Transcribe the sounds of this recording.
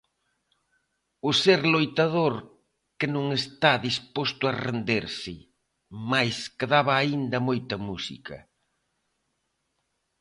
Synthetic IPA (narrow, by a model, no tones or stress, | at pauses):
ʊseɾlojt̪aðoɾ | kɪnõŋest̪aðispost̪ʊɐrḛnd̪eɾsɪ | majskɪðaβɐːind̪ɐmojt̪ɐmusḭkɐ̰